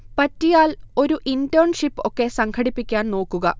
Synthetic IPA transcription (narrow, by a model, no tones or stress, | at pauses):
pɐtːijaːlo̞ɾuʔindoːɳʂipːo̞kːe̞sɐŋkʰɐɽipːikʲːaːnno̞ːkːuɣɐ